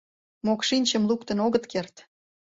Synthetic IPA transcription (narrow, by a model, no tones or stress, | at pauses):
mokʃinʲt͡ɕə̆mlukt̪ənoɣət̪kert̪